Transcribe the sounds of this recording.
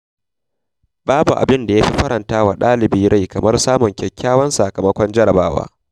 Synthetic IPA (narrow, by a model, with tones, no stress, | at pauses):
baː˦bu˨ʔa̰˨bɪ˦nda˨ja˦ɸi˦ɸɐ˦ɾɐ˨ntaː˦wa˨ɗaː˦lɪ˨biː˦ɾa˦jkɐ˨mɐ˦rsaː˦mʊ˨ŋkʲɛ˨kʲːaː˦wɐ˦nsa˨kɐ˨mɐ˦kʷɔ˦nd͡ʒɐ˦ɾɐ˨baː˦wa̰ː˦